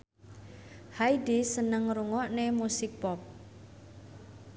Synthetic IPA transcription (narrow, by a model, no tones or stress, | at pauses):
haidisənəŋɾuŋɔʔnemusɪk̚pɔp̚